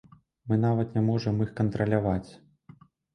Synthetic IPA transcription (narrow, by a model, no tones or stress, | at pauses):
mɨnavɐt̪nʲamɔʐɐmixkɐnt̪ɾɐlʲavat͡sʲ